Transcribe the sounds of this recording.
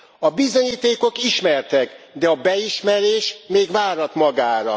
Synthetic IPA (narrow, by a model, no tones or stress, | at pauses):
ɒbizo̞ɲiːt̪eːko̞kiʃmɛrt̪ɛkd̪ɛɒbɛiʃmɛɾeːʃmeːɡʋaːɾɒt̪mɒɡaːɾɒ̰